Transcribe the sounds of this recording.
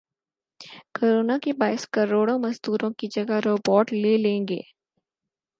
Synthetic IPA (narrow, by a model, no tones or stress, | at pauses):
koːɾoːnakebaːɪskɐɾoːɽõmɐzd̪uːɾõkid͡ʒɐɡaɾoːbɔːʈleːlẽːŋɡḛː